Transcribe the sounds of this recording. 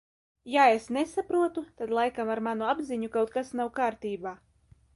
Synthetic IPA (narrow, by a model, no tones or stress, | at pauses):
jaesnesapɾuɔt̪ut̪ad̪lˠajkamaɾmanuabziɲukawt̪̚kasnawkaːɾt̪iːbaː